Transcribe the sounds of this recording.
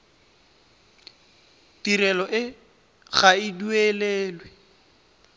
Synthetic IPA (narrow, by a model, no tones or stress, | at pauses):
tiɾɛlɔʔɪ | ɣaidueleːlwɛ